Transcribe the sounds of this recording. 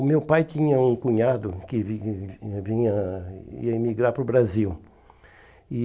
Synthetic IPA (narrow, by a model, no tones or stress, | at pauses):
ʊmewpajt̪ĩɲɐũkũɲad̪ʊkɪ | vĩɲɐḭɐimiɡɾaɾpɾʊbɾaziw | ɪ